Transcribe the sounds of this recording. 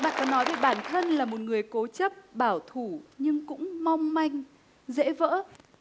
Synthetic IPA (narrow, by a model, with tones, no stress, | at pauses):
ɓa̰ː˧˨kɔ˨˦nːɔ˨˦jve˧˩jɓaː˧˩nt̪ʰə˧nlaː˨˩mo˨˩t̚ŋɨ˨˩əjko˨˦t͡ɕə˦˥p̚ɓaː˧˩wt̪ʰu˧˩ɲɨ˧ŋkʊ̰˧˥ŋ͡mma˧wŋ͡mma˧jŋ̟ | zḛ˧˥və̰ː˧˥